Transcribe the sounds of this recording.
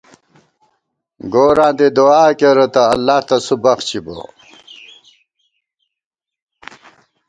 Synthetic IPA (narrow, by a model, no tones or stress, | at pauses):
ɡoːɾãːd̪ed̪oaːkeɾɐt̪ɐːlːaːht̪ɐsubɐxt͡ɕibo̰